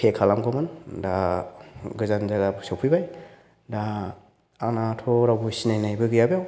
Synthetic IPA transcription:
kʰekʰalamɡɔmɯnda | ɡɯzanzaɡabsɔpʰɯjbaj | da | anatʰɔɾabusinajnajbɯɡɯjabjaw

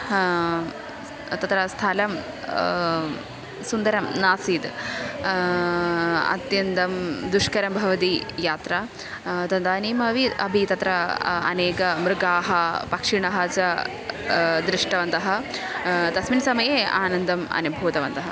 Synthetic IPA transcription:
t̪ɐt̪ɾɐst̪ʰaːlɐm | sund̪ɐɾɐmnaːsiːd̪ | ɐ̰t̪jɐnt̪ɐmd̪uʂkɐɾɐmbʱɐʋɐt̪ijaːt̪ɾaː | t̪ɐnd̪aːniːmɐʋiɐbʱit̪ɐt̪ɾɐɐ̰neːkɐmɾɪɡaːɦɐpɐkʂiɳɐɦɐt͡ʃɐ | d̪ɾɪʂʈɐʋɐnt̪ɐɦɐ̆ | t̪ɐsminsɐmɐjeːʔaːnɐnd̪ɐmɐ̰nubʱuːd̪ɐʋɐnt̪ɐɦɐ

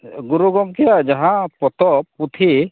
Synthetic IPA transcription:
ɡuɾuɡɔŋkijaʔd͡ʒaɦãpɔt̪ɔput̪ʰi

